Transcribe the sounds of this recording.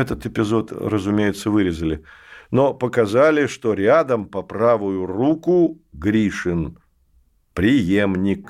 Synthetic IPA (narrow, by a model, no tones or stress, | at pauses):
ɛt̪ət̪ɪpʲɪzo̞t̪rəzʊmʲejɪt̪səvɨɾʲɪzəlʲɪ | nopəkɐzalʲɪʂt̪oɾʲad̪əmpɐpɾavʊjʊrukʊ | ɡɾʲiʂɨn | pɾʲɪjemnʲɪk